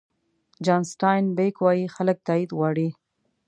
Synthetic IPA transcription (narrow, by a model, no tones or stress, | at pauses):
d͡ʒɑnsʈɑjnbekwɑjixalək̚t̪ɑid̪ɣɑɽi